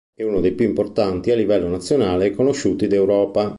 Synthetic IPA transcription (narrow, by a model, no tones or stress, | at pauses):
ɛunod̪ejpjuimport̪ant̪ialːivɛlːonat̪sːjonaːlekonoʃːuːt̪id̪ewɾɔːpa